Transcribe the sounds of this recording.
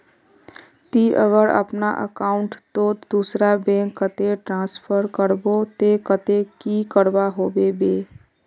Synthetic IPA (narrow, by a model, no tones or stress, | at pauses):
t̪iʔəɣəɾə̰pnaʔə̰kaːʊɳʈt̪od̪̥usɾabẽːŋkːət̪eʈɾãːspʰəɾkəɾbot̪ekət̪ekikəɾbaɦoːbebeː